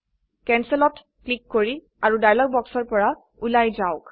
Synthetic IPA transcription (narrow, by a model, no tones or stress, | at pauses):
kɛnsɛlɔt | klikːoɹi | aɹudajlɔɡ̚bɔksɔɹpɔɹa | ulajzaʊk